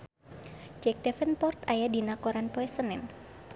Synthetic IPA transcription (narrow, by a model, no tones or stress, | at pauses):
d͡ʒɛk̚dɛfənpɔrt̪ajadinakɔɾanpɔɛsənɪn